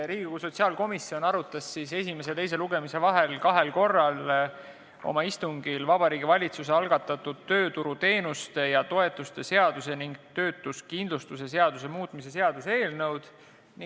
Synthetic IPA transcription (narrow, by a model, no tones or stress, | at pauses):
ɾiːɡ̥ikuso̞t̪ʲsiɑlko̞misːio̞nɑɾut̪ːˑɑsːise̞sʲime̞s̬et̪ejs̬eluɡe̞mise̞vɑɦe̞lkɑɦe̞lko̞rːɑl | o̞̰mɑist̪uŋɡ̥ilvɑb̥ɑɾiːɡivɑlʲit̪sus̬eɑlɡ̥ɑt̪ːɑt̪ːˑud̪̥̚t̪ːø̞ːt̪uɾut̪e̞ːnust̪ejɑt̪o̞e̞t̪ˑːust̪e̞se̞ɑd̪̥use̞niŋɡt̪ø̞ːt̪ːˑuskind̪lust̪use̞se̞ɑd̪̥us̬e̞muːt̪ˑmise̞se̞ɑd̪̥use̞ːlnəwd̪̥ | ni